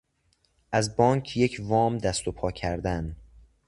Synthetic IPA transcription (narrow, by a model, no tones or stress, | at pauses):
ʔæzbɒːŋcʰjecʰvɒːmd̪æst̪o̞pʰɒːcʰæɾd̪æn